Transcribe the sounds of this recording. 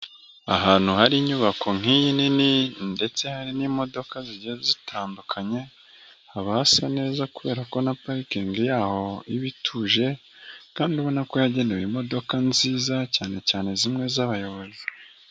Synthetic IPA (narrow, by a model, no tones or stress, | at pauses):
a̰ɦaːn̥huhaɾiɲuβakʰo̞ŋ̥ijinininde̞t͡se̞haɾinimo̞do̞kaziɟezitʰaːndukʰaɲe̞ | haβahasane̞ːzakuβe̞ːɾako̞napaɾikeŋɡijaːho̞iβitʰuːʒe̞ | kaːnduβo̞nako̞jaɟe̞ːnewimo̞do̞kanziːzacaːne̞caːne̞zimŋe̞zaβajo̞βo̞zi̥